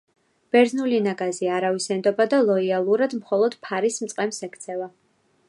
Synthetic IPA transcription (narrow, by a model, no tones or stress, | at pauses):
b̥ɛɾznulinaɡaziaɾavisɛnd̪ɔbad̪alˠɔialˠuɾad̪mχɔlˠɔd̪̥pʰaɾismtsʼqʼɛmsɛkʰt̪sʰɛva